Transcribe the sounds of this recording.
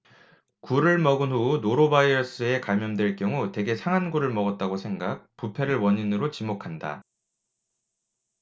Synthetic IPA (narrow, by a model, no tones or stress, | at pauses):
kuɾɯɭmʌɡɯnɦunoɾobaiʌs͈ɯe̞kamjʌndwe̞ɭk͈jʌŋute̞ɡe̞sʰaŋanɡuɾɯɭmʌɡʌt̚t͈aɡosʰe̞ŋɡak̚pupʰe̞ɾɯɭwʌɲinɯɾot͡ɕimokʰanda̰